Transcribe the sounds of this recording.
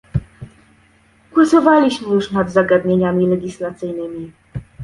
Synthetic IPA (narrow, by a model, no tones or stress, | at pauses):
kwɔsɔvalʲiɕmɘjuʂnad̪zaɡad̪ɲeɲamʲilɛɡʲislat̪sɘjnɘmʲi